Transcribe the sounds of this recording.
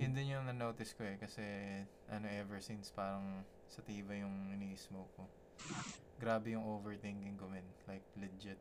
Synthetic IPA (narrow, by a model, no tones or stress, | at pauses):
jʊnd̪ɪnjʊŋnɐnoːt̪ɪskoɛkɐsɛ | ʔɐnoʔɛvɛɹsinspaːɾɐŋ | sɐt̪iːvɐjʊŋɪniːʔɪsmoko | ɡɾaːbɛjʊŋʔoːvɛɹt̪ɛŋkɪŋkomɪnlajk̚lɛd͡ʒɛt̪̚